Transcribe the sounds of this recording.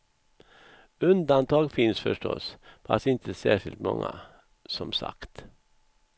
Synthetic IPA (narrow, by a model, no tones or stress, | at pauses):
ʉnd̪ɑnt̪ʰɑːɡfɪnsfœʂʈɔspʰɑsɪnt̪ʰəsæːʃɪlt̪mɔ̰ŋːə̰ | sɔmsɑ̰kt̪